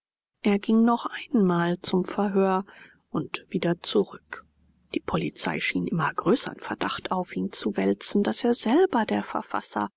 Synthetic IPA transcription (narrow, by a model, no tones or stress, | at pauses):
ʔeːɐɡɪŋnɔχʔaɪnmaːlt͡sʊmfɛɐɦøːɐ | ʔʊntv̥iːdɐt͡suʁʏk | d̥iːpʰɔlit͡sa̰ɪʃiːnʔɪmɐɡʁøːsɐɪnfɛɐd̥aχtʔaʊfʔiːnt͡suvɛlt͡sn̩daseːɐzɛlbɐdeːɐfɛɐfa̰sɐ̰